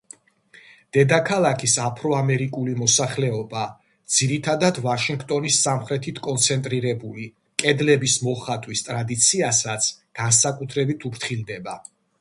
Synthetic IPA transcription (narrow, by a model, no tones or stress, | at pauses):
d̪̥ɛd̪akʰalˠakʰisapʰɾɔamɛɾikʼulimɔsaχlɛɔba | d̪z̥iɾit̪ʰad̪ad̪vaʃiŋɡt̪ʼɔnisːamχɾɛt̪ʰit̪ʰkʼɔnt̪sʰɛnt̪ʼɾiɾɛbuli | kʼɛd̪lɛbismɔχat̪ʼwist̪ʼɾad̪it̪sʰiasat̪sʰɡ̥ansakʼut̪ʰɾɛbit̪ʰupʰɾt̪ʰχild̪ɛba